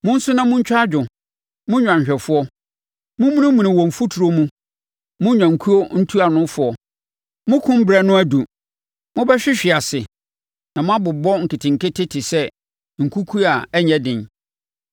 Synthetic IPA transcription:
mʊ̃˦n̩˦sʊ˦nã˦mʊ̃˦ɲ̩˦t͡ɕᶣa˦d͡ʑᶣʊ˨ | mʊ̃˦ɲᶣã˨ɲ˨ɕᶣɛ˨fʊ˦ɔ˦ | mʊ̃˦mũ˦nɪ̃˦mũ˨nɪ̃˨wɔ̃˨m̩˨fu˦tʰu˨ɾo˦mũ˦ | mʊ̃˦ɲᶣã˨ŋ̩˨kʰu˦o˦n̩˦tʰu˦a˨nʊ̃˦fʊ˦ɔ˨ | mʊ̃˦kʰʊ̃˦m̩˦bɾɛ˦nʊ̃˦æ˦du˨ | mʊ̃˦bɛ˦ɕᶣɪ˦ɕᶣɪ˨a˨sɪ˨ | nã˨mʊ̃˦a˦bʊ˨bɔ˦ŋ̩˨kʰɪ˨tʰɪ̃˨ŋ̩˨kɪ˦tʰɪ˦tʰɪ˨sɛ˦ | ŋ̩˨kʰu˦kʰu˦a˨ɛ˦ɲɛ̃˦dɪ̃˨n

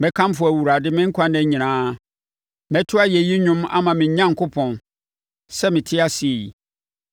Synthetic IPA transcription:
mɛ̃˦kʰã˦m˦fʊ˨æ˨wu˨ɾa˨dɪ˦mɪ̃˦ŋ̩˦kʷʰã˦nɛ̃˨ɲĩ˨nãː˦ | mɛ̃˦tʰʊ˦a˦jɛ˨ji˦ɲʊ̃˦ma̰˦mã˨mɪ̃˨ɲ˨ɲã˦ŋ˨kʰʊ˦pʰɔ̃˨n | sɛ˦mɪ̃˨tʰɪ˦a˦sɪ˨e˨ji˨

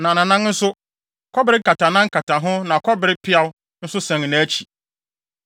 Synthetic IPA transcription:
nã˨nã˨nã˦n˦n̩˦sʊ˦ | kʰɔ˦bɪ˦ɾɪ˦kʰa˨tʰa˨nã˦ŋ̩˦kʰa˨tʰa˨ɦʊ̃˦nã˨kʰɔ˦bɪ˨ɾɪ˦pʰɪ˦a˨w | n̩˦sʊ˦sɛ̃˨ŋ˨næ̃˨˦t͡ɕʰi˨

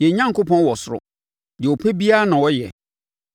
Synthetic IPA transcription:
jɛ˨ɲã˦ŋko˦pʰɔ̃˦nwɔ˨sʊ˦ɾʊ̰˨ | jɛ˨o˨pʰɛ˦bi˦a˦nã˨wɔ˦jɛ˨

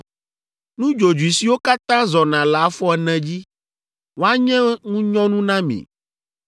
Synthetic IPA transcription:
nũ˦d͡ʒo˨d͡ʒu˨i˨si˨wo˦ka˦t̪ã˦zɔ˨nã˨la˨˦fɔ˦ɛ˨nɛ̃˨d͡ʑi˦ | wo˦a˦ɲɛ̃˦ŋũ˦ɲɔ̃˦nũ˦nã˦mḭ̃˨

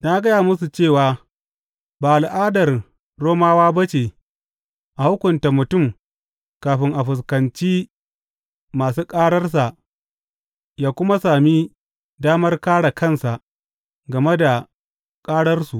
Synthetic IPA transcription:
naː˦ɡɐ˦jaː˨mʊ˦su˨t͡ʃeː˦˨waː˨ | baː˨ʔa˨lʔaː˦dɐ˨r | ɽoː˦maː˦waː˦bɐ˦t͡ʃeː˨ | ʔa˨hʊ˦kʷʊ˨nta˨mʊ˨tʊ˦˨m | kaː˨ɸɪ˦ŋʔa˨ɸʊ˨s̬kɐ˨nt͡ʃiː˦ | maː˨s̬uː˦kʼaː˦ɽɐ˦rs̬a˨ʔ | jaː˦kʷʊ˦ma˦saː˨mi˦ | daː˦mɐ˦rkaː˦ɽa˨kɐ˦˨nsa˨ʔ | ɡɐ˨me˦da˨ | kʼaː˦ɽɐ˦rsu˨ʔ

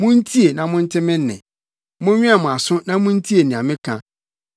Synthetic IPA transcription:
mʊ̃˦n̩˦tʰi˦e˨nã˨mʊ̃˦n̩˦tʰɪ˦mɪ̃˦nː˦ɪ̰̃˨ | mʊ̃˦ɲᶣɪ̃˦a˨mʊ̃˨a˨sʊ̃˦nã˦mʊ̃˦n̩˦tʰi˦e˨nĩ˨a˨mɪ̃˦kʰã̰˦

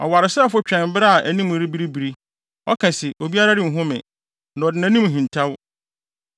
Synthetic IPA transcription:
ɔ̰˨wa˨ɾɪ˨sɛ˦fʊ˦t͡ɕᶣɛ̃˨m˨˦bɪ˦ɾa˦a˨ʔæ˨nĩ˦m˨ɾi˦bi˦ɾi˦bi˨ɾi˦ | ɔ˦kʰã˨sɪ˨ʔo˨bi˦a˦ɾa˦ɾɪ˨m̩˨ɦʊ̃˦mɪ̰̃˨ | nã˨ɔ˨dɪ˨næ̃˨˦nĩ˦m˨ɦĩ˨n˨tʰa˦w

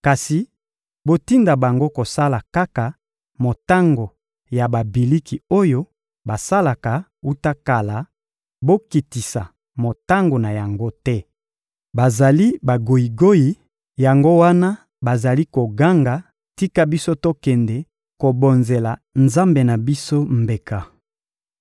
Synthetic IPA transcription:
ka˨si˨ | bo˦ti˦nda˨ba˨ŋɡo˦ko˨sa˦la˨ka˦ka˨ | mo˨ta˦ŋɡo˨ | ja˨ba˨bi˨li˦ki˨o˦jo˦ | ba˨sa˦la˨ka˨u˦ta˦ka˨la˨ | bo˦ki˨ti˨sa̰˨ | mo˨ta˦ŋɡo˨na˨ja˨ŋɡo˦tɛ˦ | ba˨za˨li˦ba˨ɡo˨i˨ɡo˦ji˨ | ja˨ŋɡo˦wa˦na˦ | ba˨za˨li˦ko˨ɡa˦ŋɡa˨ | ti˦ka˦bi˦so˦to˦kɛ˨ndɛ˨ | ko˨bo˨nze˨la˨nza˦mbe˨na˨bi˦so˦mbe˨ka˨

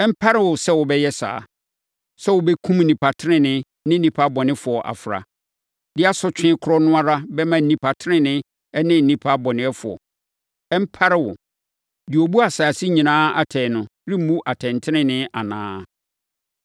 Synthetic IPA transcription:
ɛ˦m̩˦pʰa˦ɾɪ˦˨wʊ˨sɛ˦wʊ˨bɛ˦jɛ˦sa̰ː˨ | sɛ˦wʊ˨bɛ˦kʰũ˦m̩˦˨ĩ˨pʰa˨tʰɪ˦ɾɪ̃˦nɪ̃˦ | nɪ̃˦n̩˦ĩ˨pʰa˦bɔ˨nɪ̃˦fʊ˨ɔ˨ʔa̰˨fɾa̰˨ | dɪ˦a˦sʊ˦t͡ɕᶣɪ̃˦kʰʊ˦ɾɔ˦nʊ̃˦a˦ɾa˦bɛ˦mã˦n̩˨nĩ˨pʰa˨tʰɾɪ̃˦nɪ̃˦ | ɛ˦nɪ̃˦n̩˨ĩ˦pʰa˦bɔ̃˨nɪ̃˨˦ɛ˦fʊ˨ɔ̰˨ | ɛ˦m̩˦pʰa˦ɾɪ˦wʊ̰˨ | dɪ˨o˨bu˦a˨sa˨si˦ɲĩ˨nãː˦a̰˨tʰɛ˨nʊ̃˨ɾi˦mũ˦ʔa˨tʰɛ̃˨ntʰɪ˦nɪ̃˦nɪ̃˦a˨nãː˦˨

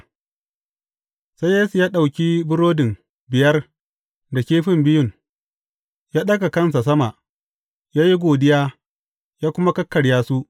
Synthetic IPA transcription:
sa˦jjeː˦su˨jaː˦ɗa˨wkʲi˦bʊ˦ɾoː˦dɪ˨m | bɪ˨jɐ˦r | da˨kʲeː˦ɸɪ˦mbɪ˦jʊ˨ŋ | jaː˦ɗɐ˦ɡa˨kɐ˦ns̬a˨s̬ɐ˦ma˨ʔ | jaː˦ji˦ɡʷoː˨dɪ˦jaː˦ | jaː˦kʷʊ˦ma˦kɐ˦kːɐ˨ɽjaː˦su˦ʔ

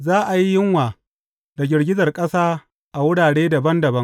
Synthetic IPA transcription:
zaː˦ʔa˨ji˦jɪ˦ŋwaː˨ | da˨ɡʲɪ˨rɡʲɪ˦zɐ˨rkʼɐ˦saː˦ | ʔa˨wʊ˦ɽaː˨ɽeː˦da˨bɐ˦ndɐ˨bɐ˦ŋ

